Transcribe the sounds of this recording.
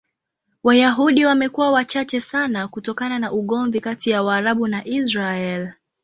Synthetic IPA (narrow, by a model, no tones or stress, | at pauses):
wajaɦuɗiwamɛkuwawat͡ʃat͡ʃɛsanakutɔkananaʔuɠɔɱvikatijawaːɾaɓunaʔisɾaɛl